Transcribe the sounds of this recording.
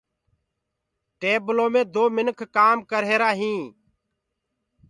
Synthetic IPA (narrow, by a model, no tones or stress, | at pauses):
ʈeːblõːmẽːd̪oːmɪnkʰkaːmkəɾɦeːɾaːɦĩː